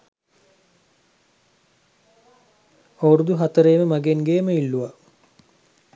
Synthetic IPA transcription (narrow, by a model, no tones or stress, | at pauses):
owɾud̪uɦat̪əɾeːməmaɡenɡeːməilːuʋa